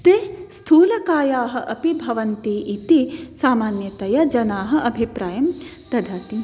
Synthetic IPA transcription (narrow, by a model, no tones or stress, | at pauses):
t̪est̪ʰuːlɐkaːjaːɦɐ̆ʔɐpibʱɐʋɐnt̪iːʔit̪isaːmaːnjɐt̪ɐjɐd͡ʒɐnaːɦɐ̆ʔɐbʱipɾaːjɐm | t̪ɐd̪ʱaːt̪i